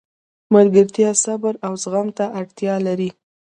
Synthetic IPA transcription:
maɾɡəɾt̪jɑsabaɾawzɣamt̪aʔaɽt̪jɑlaɾi

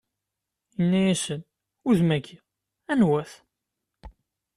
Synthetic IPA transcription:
jənːæjæsən | ʊðmækːi | ænwæθ

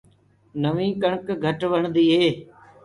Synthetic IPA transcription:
nəʋĩːkəɳkɡʱəʈʋəɳd̪iːɦeː

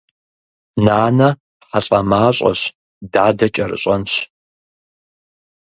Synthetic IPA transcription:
naːnɐ | ħaɬʼɐmaːɕʼɐ̰ɕ | daːdɐt͡ʃʼɐrɨ̰ɕʼɐnɕ

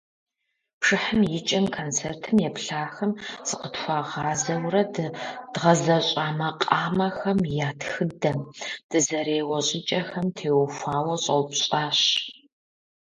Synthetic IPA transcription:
pʰʂɨħəmjɪt͡ʃʼɐmkʰont͡sʰeːrtʰɨmjɛpɬaːxɐmsɨqətxʷaʁɑːzɐwrɐdd̥ʁɐzɐɕʼaːmɐqʼaːmɐxɐmjaːtxɨdɐmd̥ɨzɐɾeːwɐɕʼɪt͡ʃʼɐxɐmtʰeːwfʷaːwɐɕʼɐ̰wpɕʼaːɕ

